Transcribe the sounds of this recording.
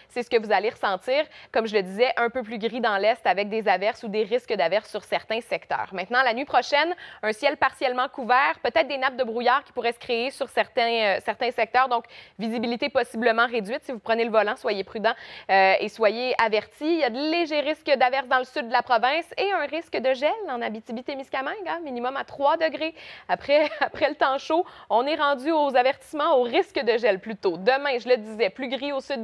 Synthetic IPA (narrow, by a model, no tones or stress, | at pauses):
sɛsə̥kəvuzaleʁəsɑ̃t̪iːʁkɔmʒələd̪izɛʔœ̃pøplyɡʲʁid̪ɑ̃lɛst̪avɛk̚d̪ezavɛʁsud̪eʁɪskəd̪avɛʁsːyʁsɛʁt̪ɛ̃sɛkt̪œ̰ːʁmɛ̃t̪nɑ̃lanɥipχɔʃɛnœ̃sjɛlpaʁsjɛlmɑ̃kuvɛːʁpøt̪ɛːt̪χd̪enap̚d̪əbʁujaːʁkʲi̥puʁɛsə̥kχeesyʁsɛʁt̪ɛ̃øsɛʁt̪ɛ̃sɛk̚t̪œːʁd̪ɔ̃kvizibilit̪epɔsibləmɑ̃ʁedd͡zɥɪt̪sivupχəneləvɔlɑ̃swajepχyd̪ɑ̃øeswajeavɛʁt̪ijad̪əleʒɛʁɪskəd̪avɛʁs̬d̪ɑ̃ləsyd̪ːəlapχɔvɛ̃seœ̃ʁɪskəd̪əʒɛlɑ̃nabit̪ibit̪emiskʲamɛ̃ɡaminimɔmat̪χwad̪əɡʁeapχɛapχɛlət̪ɑ̃ʃoɔ̃nɛʁɑ̃d͡zyozavɛʁt̪i̥smɑ̃oʁɪskəd̪əʒɛlplyt̪od̪əmɛ̃ʒələd̪izɛplyɡʁiosyd̪